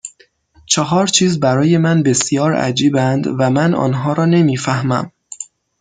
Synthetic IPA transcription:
t͡ʃʰɒɦɒːɾt͡ʃʰiːzbæɾɒːje̞mænbe̞sjɒːɾæ̰d͡ʒiːbænd̪væmænɒ̰ːnɦɒːɾɒːne̞miːfæhmæ̰m

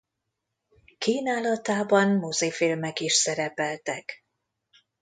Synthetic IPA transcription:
kiːnaːlɒt̪aːbɒnmozefilmɛkiʃsɛɾɛpɛlt̪ɛk

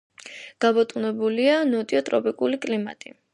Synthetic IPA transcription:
ɡ̥abɔt̪ʼunɛbulianɔt̪ʼiɔt̪ʼɾɔpʼikʼulikʼlima̰t̪ʼḭ

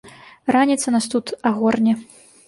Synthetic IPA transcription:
ranʲit̪sɐnast̪ut̪aɣɔrnʲɛ

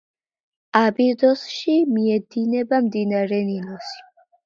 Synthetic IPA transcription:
abiɾd̪ɔsʃimiɛd̪inɛbamd̪inaɾɛninɔsi̥

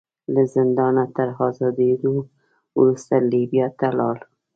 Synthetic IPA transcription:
lazɪnd̪ɑnat̪aɾɦɑzɑd̪ed̪o | wɾust̪alibjɑt̪alɑl

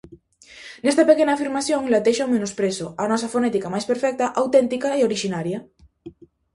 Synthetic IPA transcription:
nest̪apekenafiɾmaθjõŋlat̪eʃawmẽnospɾesoanɔs̬afonet̪ikamajspeɾfɛk̚t̪aʔawt̪ent̪ikaeoɾiʃinaɾja

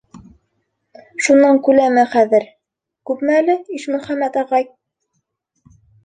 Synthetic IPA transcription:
ʃunːɑŋkʉlæmæχæðɘɾ | kʉpmæælɘiʃmɵ̆χæmːæt̪ɑʁɑj

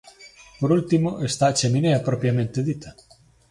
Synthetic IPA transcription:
poɾult̪imoʔest̪at͡ʃemineapɾɔpjamẽnt̪eðit̪a

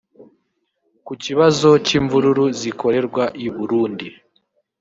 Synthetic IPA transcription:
kuciβazo̞ciɱvuɾuɾuzikʰo̞ɾe̞ɾɡwaʔiβuɾuːndi

